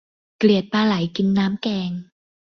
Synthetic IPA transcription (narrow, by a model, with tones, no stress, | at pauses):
kli˨˩ət̪̚paː˧la˨˩˦jki˧nːaː˦˥mkɛː˧ŋ